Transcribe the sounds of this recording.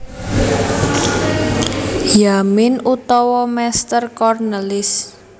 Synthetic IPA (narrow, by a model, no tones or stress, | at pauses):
jamɪnut̪ɔwɔmɛst̪ərkɔrnəlɪs